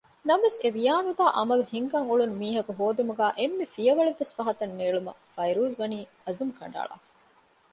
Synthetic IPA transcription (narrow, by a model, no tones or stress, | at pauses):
nɐmɐʋeseʋijaːnud̪aːʔɐmɐluhiŋkɐŋuɭunumiːɦɐkuɦoːd̪imuɡæːʔemːefijɐʋɐɭeʋːesfɐɦɐt̪ɐnːeːɭumɐ̰fɐjɾuːzʋɐniː | ɐzumkɐ̰ɳɖa̰ːɭa̰ːfɐ̥